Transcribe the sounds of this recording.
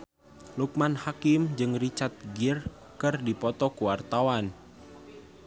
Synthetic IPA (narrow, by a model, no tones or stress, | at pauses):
luk̚manhakɪmd͡ʒɨŋrit͡ʃart̪̚ɡir | kɨrdipɔt̪ɔkuwart̪awan